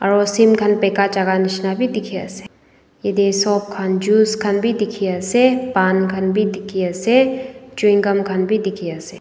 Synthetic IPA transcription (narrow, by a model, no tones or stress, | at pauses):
ɐɾoːsimɡʱɐnpeːkat͡ʃaɡanɪʃnabʱid̪ɪkʰija̰se̥ | jed̪esoːp̚kʰand͡ʒuːskʰɐnbʱid̪ɪkʰijasepaːnɡʱənbʱid̪ɪkʰiaset͡ʃuɪŋɡəmkʰɐnbʱid̪ɪkʰijaseː